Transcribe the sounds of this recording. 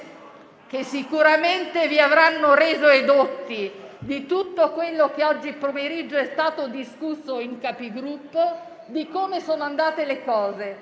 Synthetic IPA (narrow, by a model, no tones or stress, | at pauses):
k̟esːikuɾament̪eviavɾanːoɾeːzoed̪ot̪ːid̪it̪ut̪ːokwelːok̟eɔd͡ʒːipːomeɾid͡ʒːoɛst̪aːt̪od̪iskusːoiŋkapiɡɾupːo | d̪ikomesoːnoand̪aːt̪elekɔːze